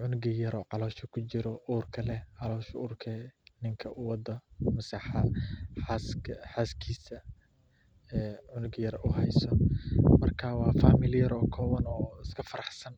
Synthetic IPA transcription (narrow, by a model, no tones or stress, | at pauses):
ʕʊnʊɡɐjɐɾɔːʕɑlɔːʃɐkʰʊt͡ʃɪɾɔʔuːrkʰɐlɛʕɑlɔːʃuːrkʰɛnɪŋkʰɐʔʊwɑd̪ɐmɐsɑħɐħɑsħaːskʰiːsɐ | ɛːʕʊnʊɡjɐrʊɦɛjsɔmɐrkʰaːwɑːfaːmɪljɐɾɔːkʰɔːwɐnɔːɪskʰɐfɐɾɑħsɐn